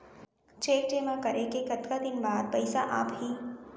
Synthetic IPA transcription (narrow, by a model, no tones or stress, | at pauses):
t͡ʃeːʈemãkəɾekekət̪kad̪ɪnbaːd̪pəjsaʔa̰ːpɦiː